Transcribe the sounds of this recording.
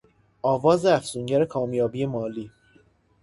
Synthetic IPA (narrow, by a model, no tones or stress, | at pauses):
ɒːvɒːzeæfsuːɲɟæɾekʰɒːmjɒːbiːe̞mɒːliː